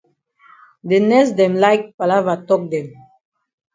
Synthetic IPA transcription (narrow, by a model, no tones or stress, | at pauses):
d̪enɛsd̪ɛ̃mlajk̚palavatɔk̚d̪ɛ̃m